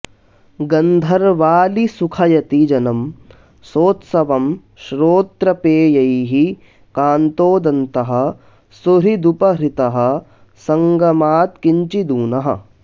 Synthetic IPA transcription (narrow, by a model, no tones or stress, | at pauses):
ɡɐnd̪ʱɐɾʋaːlisukʰɐjɐt̪id͡ʒɐnɐm | soːt̪sɐʋɐm | ʃɾoːt̪ɾɐpeːjɐjɦi | kaːnt̪oːd̪ɐnt̪ɐɦɐ̆ | suɾid̪upɐɾit̪ɐɦɐ̆ | sɐŋɡɐmaːt̪kiɲt͡ʃid̪uːnɐɦɐ̰̆